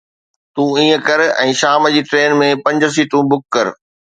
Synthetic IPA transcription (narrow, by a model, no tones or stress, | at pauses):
t̪ũːĩːə̃kɐɾɛ̃ːʃaːməd͡ʑiːʈɾeːnmẽpɐ̃ɲd͡ʑəs̬iːʈũbʊkːɐɾ